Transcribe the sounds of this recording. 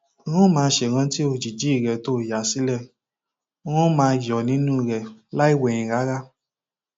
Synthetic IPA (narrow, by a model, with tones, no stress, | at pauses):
ɾ̃ũ˦mãː˧˦ʃe˧˨ɾ̃ã˧ti˦o˧d͡ʒi˨d͡ʒi˦˨ɾɛ˧˨to˦˨ja˨si˨˦lɛ˦˨ | ɾ̃ũ˦mãː˧˨jɔ˨nĩ˨˦nũ˦i˧˨ɾɛ˧˨la˦i˦˨wɛ˨j̃ĩ˨ɾa˨˦ɾa˦